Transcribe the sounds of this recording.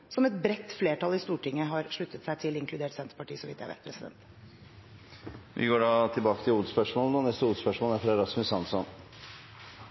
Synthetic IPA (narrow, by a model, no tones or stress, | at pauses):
sɔmɛt̪bɾɛt̪ːfleːʈɑlɪst̪uːʈɪŋːəɦɑɾʂɭʉt̪ːət̪sæɪt̪ʰɪlɪŋkʰlʉd̪eːʈsɛnt̪ə̥pɑʈiːəsɔʋɪt̪jæɪʋæ̰t̪̚pʰɾɛsɪd̪ɛ̰nt̪ | ʋʔɪ̰ɡoːɖɑːt̪ʰɪlbɑːkə̥t̪ʰɪluːəspœʂmoːlənɔnɛst̪əuːspœʂmoːlæɾfɾɛɾɑsmɪsɑnsɔn